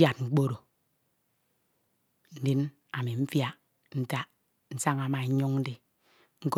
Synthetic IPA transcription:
ja˨t̚ŋ͡m̩˨k͡po˦ɾo˨ | n̩˦di˦n | a˨mi˨m̩˦fja˦ | n̩˦ta˦ | n̩˦sa˦ŋa˨ma˨˦ɲo˦ŋn̩˦de˦ | ŋ̩˦k

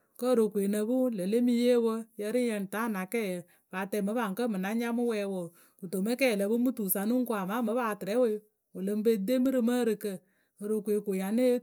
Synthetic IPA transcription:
kə˦˨ɾo˨kʷe˨nə˨bu˦lə˨le˦mi˧je˦wə˧jə˧ɾi˦jɛ˧n˨ta˨˦˨na˨kɛ˦˨jə˨ | baː˨tɛ˧˨mə˨˦ba˨ŋ˨kə˦mɨ˨na˦ɲa˦mɨ˦wɛ˧wo˨ | u˨to˨me˦kɛ˦˨lə˨bu˦mɨ˦tu˨sa˨nu˦ŋ˦ku˦a˨ma˨˦mə˨˦baː˧˨tɪ˨ɾɛ˨˦we˦ | o˨lə˧m˦be˧de˦mɨ˦ɾɨ˧mə˦ɾɨ˧kə˧˨ | ə˨ɾo˨kʷe˨ko˨ja˨ne˦

